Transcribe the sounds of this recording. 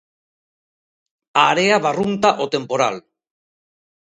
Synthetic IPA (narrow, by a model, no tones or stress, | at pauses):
aɾeaβarunt̪aʔot̪e̞mpo̞ɾa̰l